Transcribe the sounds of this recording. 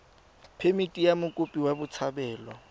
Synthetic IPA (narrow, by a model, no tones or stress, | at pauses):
pʰemitʼijamʊkʼʊpʼiwabʊt͡sʰabɛːlɔ